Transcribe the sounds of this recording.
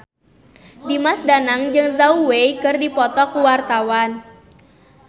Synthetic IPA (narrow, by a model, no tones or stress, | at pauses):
dimasdanaŋd͡ʒɨŋzauwejkɨrdipɔt̪ɔkuwart̪awan